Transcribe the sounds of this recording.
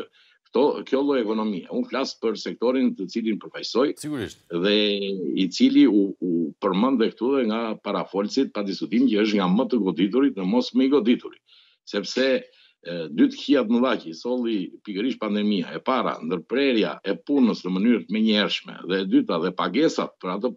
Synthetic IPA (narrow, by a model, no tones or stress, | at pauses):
kt̪ɔkjɔlˠɔjɛkɔnɔmia̰unflaspəɾsɛk̚t̪ɔɾint̪ət͡silinpəɾfajsɔjuiʃðɛit͡siliuupəɾmənd̪ɛkt̪uðɛŋɡapaɾafɔlsit̪̚pad̪iskut̪imicəəʃ̬t̪ŋɡamət̪əɡɔd̪it̪uɾit̪nəmɔsməiɡɔd̪it̪uɾi | sɛpsɛ | d̪yt̪ə̥çiat̪nəðacisɔlˠipikəɾiʃpand̪ɛmia̰ɛpaɾa̰nd̪əɾpɾɛɾja̰ɛpunəsnəmənyɾt̪mɛɲəɛɾʃmɛ̰ðɛd̪yt̪aðɛpaɡɛsa̰t̪̚pəɾat̪ə